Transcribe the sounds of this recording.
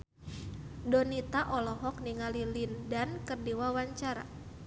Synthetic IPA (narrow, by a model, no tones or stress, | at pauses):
dɔnit̪aʔɔlɔɦɔk̚niŋalilindankərdiwawaɲt͡ʃaɾa̰